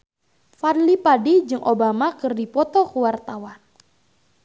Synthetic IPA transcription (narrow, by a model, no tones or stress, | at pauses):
fadlipadid͡ʒɨŋʔobamakɨrdipɔt̪ɔkuwart̪awan